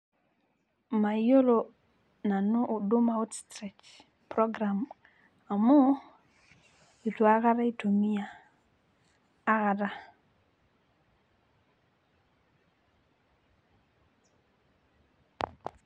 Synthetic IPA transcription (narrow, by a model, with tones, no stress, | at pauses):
ma˨jo˦lo˨ | na˨no˦ʔu˨do˦ma˦u˦tstɾɛ˨t͡ʃ | pɾɔ˦ɡɾa˨m | a˨mɔ˦ | i˨twa˦ka˦ɾa˦i˦to˨mi˦a˨˦ | ka˨da˦